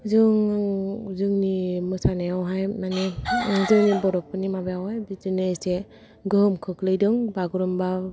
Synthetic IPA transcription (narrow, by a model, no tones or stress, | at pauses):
zɯŋ | zɯŋnimɯsanaawɦajmanezɯŋnibɔɾɔpːɯnimabejawɦajbizɯnɯse | ɡɯɦɯmkʰɯkʰlɯjdɯŋbaɡɯɾɯmba